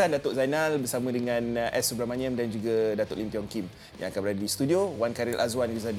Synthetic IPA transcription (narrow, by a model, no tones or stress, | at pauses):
andat̪oʔzajnalbərsamə̃dəŋãnʔɛsubɾamanĩamdand͡ʒuɡadat̪oʔlimpiɔŋkim | ja̰ŋakanbəɾadadist̪udiowankaɾilʔazwanɡizad